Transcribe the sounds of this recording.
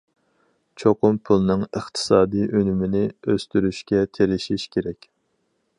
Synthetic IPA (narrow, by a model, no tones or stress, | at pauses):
t͡ʃʰoqʊmpʰulˠnɨŋəχt̪ʰɨ̥sɑːd̪ijʔønymɪnɪøst̪yɾyʃkʲɛt̪ʰeɾɪʃiʃkʲʰeɾɛkʲ